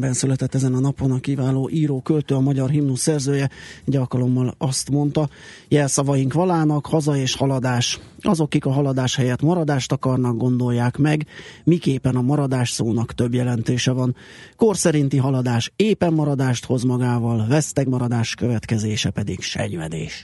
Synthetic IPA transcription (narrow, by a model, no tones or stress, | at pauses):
bɛnsylɛt̪ɛt̪ːɛzɛnɒnɒpo̞nɒkivaːloːʔiːɾoːkølt̪øːɒmɒɟɒrɦimnusːɛrzøːjɛɛɟɒlkɒlo̞mːɒlɒst̪mo̞nt̪ɒjɛlsɒvɒjiŋkʋɒlaːnɒkhɒzɒeːʃhɒlɒd̪aːʃɒzo̞kːikɒɦɒlɒd̪aːʃhɛjɛt̪mɒɾɒd̪aːʃt̪ɒkɒrnɒɡ̚ɡo̞nd̪o̞jːaːkmɛɡmikeːpɛnɒmɒɾɒd̪aːʃsoːnɒkt̪ø̞bjɛlɛnt̪eːʃɛvɒn | ko̞rsɛɾint̪iɦɒlɒd̪aːʃeːpɛmːɒɾɒd̪aːʃt̪ho̞zmɒɡaːvɒlvɛst̪ɛɡmɒɾɒd̪aːʃkø̞vɛt̪kɛzeːʃɛpɛd̪iɡʃɛ̰ɲvɛd̪ḛːʃ